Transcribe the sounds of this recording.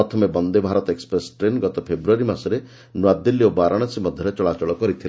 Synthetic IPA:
ɔt̪ʰɔmebɔnd̪ebʱaɾɔt̪ekspɾesʈɾenɡɔt̪ɔpʰebɾuaɾimasɔɾe | nwad̪ilːiobaɾʔaɽ̃ɔsimɔd̪ʱjɔɾet͡ʃɔɭat͡ʃɔɭɔkɔɾit̪ʰil

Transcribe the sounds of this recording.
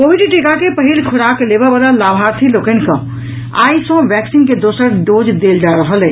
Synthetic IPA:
kobiɖʈekakepəɦilkʰʊɾaklebabalalabʱaɾt̪ʰilokənkə̰̃ | a̰isə̃ʋɛksinked̪osəɾɖod͡ʒd̪eld͡ʒaɾəɦəlɛ

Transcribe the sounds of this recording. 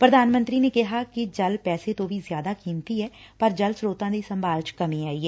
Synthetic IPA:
pɾəd̪aːnmə̃nt̪ɾiːneːkɪɦaːkɪd͡ʒəlpɛːset̪õːʋʱiːzjaːd̪aːkiːnt̪iɦɛː | pəɾd͡ʒəlsɾoːt̪ãːd̪iːsə̃mbaːlt͡ʃkəmĩːaːiːɦɛː

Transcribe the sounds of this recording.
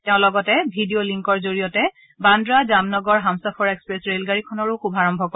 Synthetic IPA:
tɛʊ̃lɔɡɔtɛbʱidioliŋkɔɹzoɹijɔtɛ | bandɹazamnɔɡɔɹɦamsɔpʰɔɹɛkspɹɛsɹelɡaɹikʰɔnɔɹʊxubʱaɹɔmbʱɔkɔ

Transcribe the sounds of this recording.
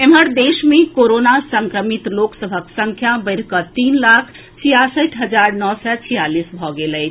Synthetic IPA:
emɦəɾd̪esmẽkoɾonasəŋkɾəmit̪loksəbʱəksə̃ŋkʰjabəɪɾkət̪inlakʰ | t͡ʃʰijasəʈʰɦəd͡ʒaɾnɔsɛt͡ʃʰijalisbʱɔɡeləjt͡ʃʰ

